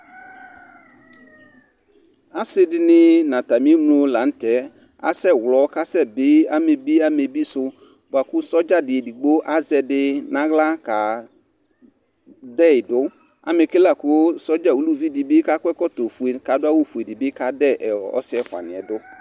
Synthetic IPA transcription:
a˦sɪ˦dɪ˨nɪ˦nã˨ta˨mĩ˦mlʊ˦la˨˦n̩˦tɛ˨˦ | a̰˦sɛ˦˨wlɔ˨˦ka˦sɛ˦˨bɪ˦a˦me˨bi˦a˦me˨bi˦sʊ˦ | ba˨kʊ˦sɔ˦d͡ʒa˦dɪ˨ɛ˨di˨ɡ͡bo˦ʔa˦zɛ˨dɪ˦nã˦ɣla˦ka˨ | dɛ˦˨ɪ˨dʊ˦ | a̰˨me˨ke˦la˦˨kʊ˦sɔ˦d͡ʒa˦˨wu˨˦lu˦vi˦dɪ˨bɪ˦ka˦kɛ˦kɔ˦to˨fu˨e˨ka˨˦dʊ˦a˦wo˦fe˨dɪ˨bɪ˦ka˨dɛ˦˨ʔɛ˨ɔ̰˦sɪ˦ɛ˦xwa̰˨nɪ̃˨ɛ̰˨dʊ˦

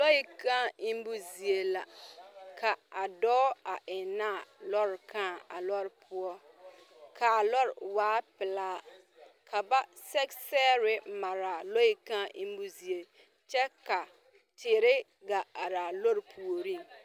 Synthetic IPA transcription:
lo˦ji˦kã˦i˦m˦bu˦zi˨e˨la˨kʰa˨a˨dɔː˦a˨ʔɪ˨naː˦˨lɔ˦ɾɪ˨kʰãː˦˨a̰˨lɔ˦ɾɪ˨˦pʰʊ˦ɔ˦ | kʰa˨lɔ˦ɾɪ˨waː˦pɪ˨laː˦ | kʰa˨ba˦ | sɛ˦ksɛː˦ɾɪ˦ma˨ɾa˨lo˦i˦kã˦ʔi˦m˦bu˦zi˨e˨ | t͡ʃɛ˦ka˨ | tɪ˨ɾɪ˦ | ɡa˨a˨ɾa˨lo˦ɾpʰu˨o˨ɾi˦˨

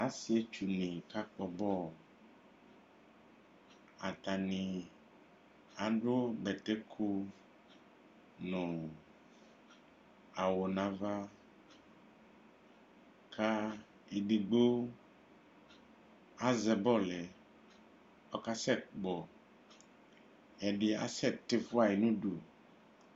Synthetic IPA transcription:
a˨˦si˨˦e˦t͡ʃu˨nĩ˨ka˦k͡pɔ˨bɔ˦˨ | a˨t̪a˨nĩ˨ | a˨ɖo˦bɛ˨t̪ɛ˦kʰu˦ | nʊ̃˨ | a˨wo˨nã˨va˦ | kʰa˦ | e˨ɖi˨ɡ͡bo˦ | a˦zɛ˨bɔ˦˨lɛ˨ | ɔ˦ka˦sɛ˦˨k͡pɔ˨ | ɛ˨ɖɪ˨a̰˦sɛ˦˨te˦fʊ˦a˦˨ji˨nũ˦du˨

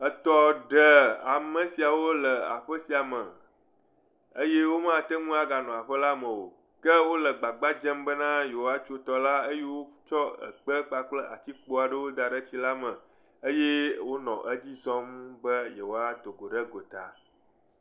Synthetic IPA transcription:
ə˨t̪ɔ˦ɖə˨a˨mə̃˨si˨a˨wo˦lə˨a̰˨ɸə˦si˨a˨mə̃˨ | ə˦je˦wo˦mã˦t̪ə˦ŋũ˦a˦ɡa˨nɔ̃˨a˨ɸə˦la˦mə̃˨wo̰˨ | kə˦wo˦lə˨ɡ͡ba˨ɡ͡ba˦d͡ʒɛ˦mbə˦nã˦je˨wo˦a˦t͡ʃo˦t̪ɔ˦la˦ə˦je˦wo˦t͡ʃɔ˦ə̰˨k͡pə˦k͡pa˦k͡plə˦ʔa̰˨t͡ɕi˦k͡po˦a˨ɖə˦wo˦d̪a˨ɖə˦t͡ɕi˦la˦mə̃˨ | ə˦je˦wo˦nɔ̰̃˨ʔə˦d͡ʑi˦zɔ̃˦mbə˦je˨wo˦a˦d̪o˨ɡo˨ɖə˦ɡo˨t̪a̰˨

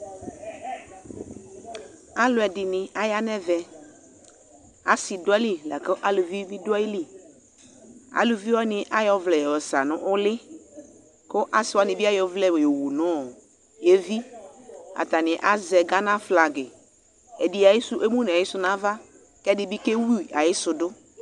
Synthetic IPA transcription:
a˦lʊ˨ɛ˨dɪ˨nɪ˨a˦ja˦nɛ˦vɛ˨ | a˦sɪ˨dʊ˦ɛ˦li˦lɛ̰˨ke˦ʔa˦lʊ˨vi˦bi˦dʊ˦a˦ji˦li˦ | a̰˦lʊ˨vi˦wɔ˦nɪ̃˨ʔa˦jɔ˦vlɛ˨jɔ˨wɔ˨sa̰˨nʊ̃˦ʔʊ˦lɪ˦ | kʊ˦ʔa˦sɪ˨wɔ˦nɪ̃˨bɪ˦a˦jɔ˦vlɛ˦we˨jo˨wu˨nʊ̃˦˨ | je˦vi˦ | a̰˨t̪a˨nɪ̃˨ʔa˦zɛ˨ɡa˦nã˦fla˨ɡɪ˨ | e˨di˨a˨jɪ˦sʊ˦ʔe˦mũ˦n˨a˨jɪ˦sʊ˦nã˨˦va˦ | kɛ˦dɪ˦bi˦ke˦wi˦˨a˨jɪ˦sʊ˨dʊ˦

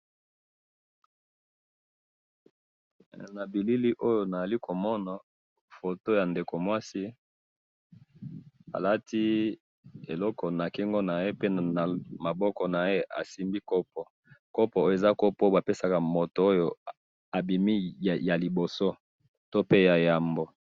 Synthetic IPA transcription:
na˨bi˨li˦li˦ʔo˦jo˨na˨a˨li˦kʰo˨mɔ˦na˨ | fo˨to˦ja˨nde˨ko˨mwa˦si˦ | a̰˨la˦tʰi˦ | e˨lɔ˦kɔ˨na˨ki˦ŋɡo˦na˨je˦pe˦a˨ma˨bɔ˦kɔ˨na˨je˦ʔa̰˨si˦mbi˦kɔ˦pɔ˨ | kɔ˦pɔ˨o˦e˨za˦ko˦po˦ba˨pe˦sa˨ka˨mo˨to˨o˦jo˨ | a˨bi˨mi˦˨ja˨li˨bo˨so˦ | to˦pe˦ja˨ja˨mbo˦

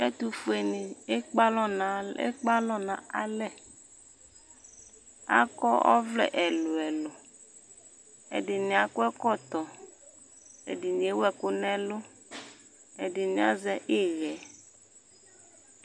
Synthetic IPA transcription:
ɛ˦t̪u˨fu˦e˨ni˨e˦k͡pa˦lɔ˦na˨ḛ˦k͡pa˦lɔ˦nã˨a˦lɛ˦ | a̰˦kɔ˦ɔ̰˦vlɛ̰˨ʔɛ˨lo˨ɛ˨lɔ˨ | ḛ˨dɪ˨nĩ˨a˨kʊ˦ɛ˦kɔ˦t̪ɔ˨ | ḛ˨di˨nĩ˨e˦wɛ˦˨kʊ˦nɛ̃˦lʊ˦ | e˨dɪ˨nĩ˨a̰˦zɛ˦ʔe˦ɣɛ˨˦

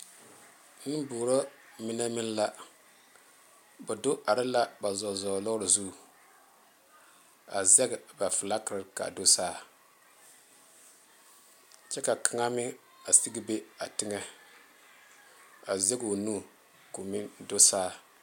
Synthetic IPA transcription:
nɨ˦boː˨ɾɔ˦mi˦na˦mi˦n˦la˦ | bɛ˨do˦ʔa˨ɾɪ˦la˦ba˨zɔ˨zɔ˨lɔ˦ɾɪ˨zu˦˨ | a˨zɛ˦ɡba˨fɨ˨la˦kɾɨ˦ɾka̰˨do˦saː˦˨ | t͡ʃɛ˦ka˨kʰa˨ŋa˦mɪ˦ | a˨si˦ɡi˦be˦a˨tɪ˦ŋɛ˦ | a˨zɛ˦ɡo˨nu˦˨ | ko˨mɪ˦ndo˦saː˦˨

